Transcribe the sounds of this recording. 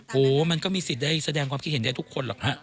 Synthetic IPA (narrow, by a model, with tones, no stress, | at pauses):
ʔoː˨˩ma˧nkɔː˥˩miː˧si˨˩t̪̚daː˥˩jsa˧dɛː˧ŋkʰwaː˧mkʰt̪̚he˦nda˥˩t̪ʰu˦˥kʰːo˧nlaː˨˩k̚ha˦˥ʔ